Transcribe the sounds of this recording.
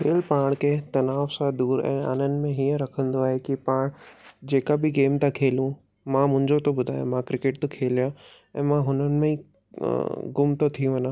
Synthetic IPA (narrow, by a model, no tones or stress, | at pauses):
kʰeːlpaːɽ̃kʰet̪ɐnaːʋsãd̪uːɾɛ̰̃ːa̰ːnənɪ̆mẽɦiːə̃ɾɐkʰə̃nd̪oaːɦekipaːɽ̃d͡ʑeːkabɪɡeːmt̪ãkʰeːlũ | mãmʊ̃ɦɪ̃ɲd͡ʑot̪obʊd̪ʱaːjã̰mãkɾɪkeʈ̚t̪okʰeːlijã | ɛ̃ːmãɦʊnənɪ̆mẽḭ | ɡʊmt̪ot̪ʰiũʋɐnã